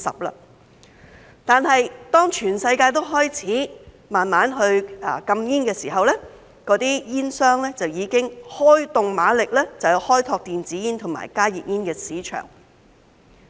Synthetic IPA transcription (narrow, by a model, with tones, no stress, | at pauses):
sɐ̰˨p̚la̰ː˧ | t̪aː˨nɦɐ˨jt̪ɔː˥ŋt͡ʃʰyː˨˩nsɐ˧jkaː˧jt̪̬o˥wɦɔː˥jt͡sʰiː˨˥ | maː˨nmaː˨˥nɦɵ˧ɥkɐ˧mjiː˥nkɛː˧siː˨˩ɦɐ˨wlɛː˥ | kɔː˨˧˥t̪iː˥jiː˥nsœː˥ŋlɛː˥t͡sɐ˨wjiː˨˧kɪ˥ŋhɔː˥jt̪ʊ˨ŋmaː˨˥lɪ˨k̚lɛː˥t͡sɐ˨wji˧whɔː˥jt̪ʰɔː˧k̚t̪iː˨nt͡siː˨˥jiː˥nt̪ʰʊ˨˩ŋma̰ː˨˩jkaː˥jḭː˨˩p̚jiː˥nkɛː˧siː˨˥t͡ʃʰœ̰ː˨˩ŋ